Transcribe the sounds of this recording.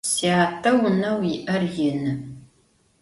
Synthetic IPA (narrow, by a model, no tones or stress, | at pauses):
siaːtʰʼɐwʊnɐwiʔɐrjɪnɨ